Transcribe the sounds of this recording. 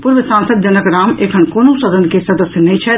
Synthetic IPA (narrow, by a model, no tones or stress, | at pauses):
puɾʋəsãːnsəd̪̚d͡ʒɐnəkɾaːmeːkʰɐnkoːnõsɐd̪ənkesɐd̪əsjnɐɦĩt͡ʃʰɛ